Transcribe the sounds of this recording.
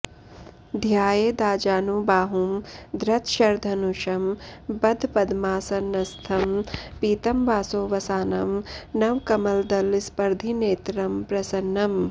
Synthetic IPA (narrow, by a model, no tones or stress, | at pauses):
d̪ʱjaːjeːd̪aːd͡ʒaːnubaːɦumd̪ɾɐt̪ʃɐɾd̪ʱɐnuʃɐmbɐd̪ʱpɐd̪maːsɐnːɐst̪ʰɐmpiːt̪ɐmʋaːsoːʋɐsaːnɐmnɐʋkɐmɐld̪ɐlispɐɾd̪ʱineːt̪ɾɐmpɾɐsɐnːɐm